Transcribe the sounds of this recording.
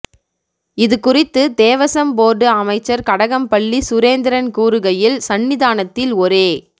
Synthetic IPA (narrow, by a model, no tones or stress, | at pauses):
ɪðɯkʊrɪt̪ːɯt̪eːʋɐsɐmpoːɖɯɐmɐɪt͡ʃːɐɾkɐɽɐɣɐmpɐɭːisʊɾeːnd̪ɪɾɐnkuːɾɯɣɐjɪlsɐnːɪðaːnɐt̪ːɪlɔɾeː